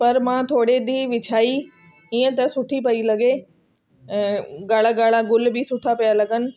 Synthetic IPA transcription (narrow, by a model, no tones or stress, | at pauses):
pɐɾmãːt̪ʰoːɽeɗiːʋɪt͡ʃʰaːi | iːə̃t̪ɐsʊʈʰipɐilɐɡẽ | ɡaːɭ̤aɡaːɭ̤aɡʊlbɪsʊʈʰapijalɐɡənɪ̆